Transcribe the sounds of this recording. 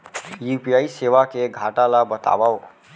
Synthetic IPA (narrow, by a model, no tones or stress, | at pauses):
jupijaiseʋakeɡʱaʈalabət̪a̰bao